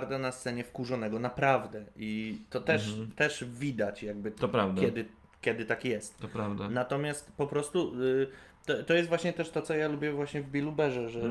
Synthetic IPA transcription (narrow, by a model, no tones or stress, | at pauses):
ɾd̪anast̪sɛɲɛfkuʐɔnɛɡɔnapɾavd̪ɛʔit̪ɔt̪ɛʂt̪ɛʂvʲid̪at͡ɕjaɡ̚bɘɔɾavd̪kjɛd̪ɘ | kʲɛd̪ɘt̪akjɛst̪t̪ɔpɾavd̪anat̪ɔmʲjast̪pɔpɾɔst̪u | t̪ɔt̪ɔjɛst̪vwaɕɲɛt̪ɛʂt̪ɔt̪sɔjalubʲjɛvwaɕɲɛvbʲilubɛʐɛʐɛ